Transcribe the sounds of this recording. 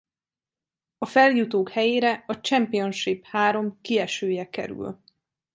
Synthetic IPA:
ɒfɛljut̪oːkhɛjeːɾɛɒt͡ʃɛmpio̞nʃiphaːɾo̞mkiɛʃøːjɛkɛ̰ɾʉ̰l

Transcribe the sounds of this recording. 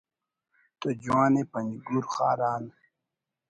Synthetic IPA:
t̪od͡ʑwaːnepɐniɡuɾχa̰ːɾaːn

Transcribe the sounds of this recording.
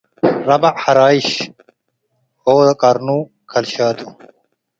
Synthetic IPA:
ɾɐbɐħɐɾaːiɕ | oːd̪ɐkɐɾnuː | kʰɐlɕaːd̪u

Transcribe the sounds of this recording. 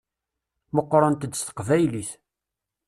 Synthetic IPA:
məqːɾˤɑnt̪əd̪ːst̪ə̥qvæjliθ

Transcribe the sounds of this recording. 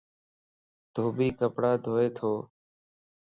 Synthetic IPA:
d̪̥ʱoːbiːkəpɽaːd̪ʱoːeːt̪ʰoː

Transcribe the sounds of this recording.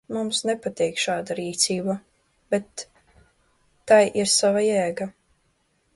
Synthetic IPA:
mumsnɛpat̪iːkʃaːd̪aɾiːt̪siːba | b̥ɛt̪ | ajʔiɾsavajɛːɡa

